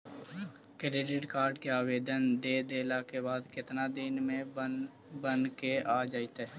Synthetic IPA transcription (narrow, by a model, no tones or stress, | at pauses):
kɾeːɖɪʈkaːɾɖkeaːʋeːd̪ənd̪eːd̪eːlakebaːd̪kɪt̪nad̪ɪnmẽ | bənkeaːd͡ʒaːit̪aɛ